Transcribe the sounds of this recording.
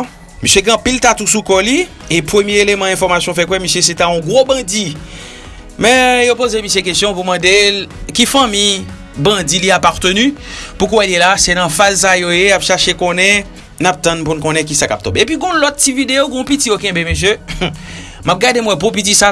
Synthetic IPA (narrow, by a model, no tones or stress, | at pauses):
misjeɡ̃ɐ̃pilt̪at̪usukɔli | epʁømjeelemãɛ̃fɔʁmasjɔ̃fɛkwɛmisjes̬et̪aɔ̃ɡʁobɐ̃d͡zi | mɛ̃jopozemisjekest̪jɔ̃pumɐ̃delkifɐ̃mij | bɐ̃d͡ziliapaʁt̪ønypukwɛljelasenɐ̃fazs̬ajojeapʃaʃekõnɛ̃ | nap̚t̪ɐ̃npunkõnɛ̃k̬isaka̰p̚t̪ɔ̰̃beepɥiɡɔ̃lɔt̪̚ːividejoɡɔ̃pitijokɛ̃bemes̬jø | map̚ɡademwɛp̬õp̬it̬isa